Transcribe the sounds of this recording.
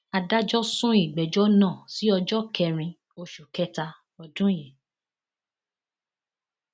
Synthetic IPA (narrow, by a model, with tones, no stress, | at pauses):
a˧da˦d͡ʒɔ˦sũ˦i˦˨ɡ͡bɛ˨d͡ʒɔ˦nãː˦˨si˨˦ɔ˧d͡ʒɔ˦kɛ˧ɾ̃ĩ˧ | o˧ʃu˨kɛ˦ta˧ | ɔ˧dũ˦jɛ˨